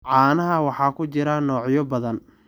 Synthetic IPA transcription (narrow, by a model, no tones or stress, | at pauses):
ʕɑːnɐɦɐwɑħɑːkʰʊt͡ʃɪɾɐnɔːʕjɔbɐðɐn